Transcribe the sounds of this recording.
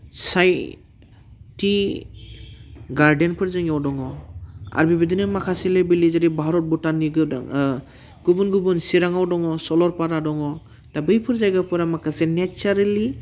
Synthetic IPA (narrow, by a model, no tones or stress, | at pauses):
saj | ti | ɡaɾdenpʰɯɾzɯŋɔwdɔŋɔa̰ɾbibid̪inɯmakʰaselebilizaɾibʱaɾɔt̚butaniɡɯdŋ | ɡ̥ubunɡubunsiɾaŋawdɔŋɔsɔlɔɾpaɾadɔŋɔ | tabɯjpʰɯɾzajɡapʰɯɾamakʰasenet͡ʃaɾali